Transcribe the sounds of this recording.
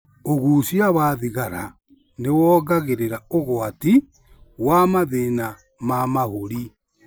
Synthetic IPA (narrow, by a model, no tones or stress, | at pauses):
oɣuːsjaβaːðiɣaɾa̰ | newɔːɣaɣeɾeɾaoɣwati | wamaðena | mamahoɾi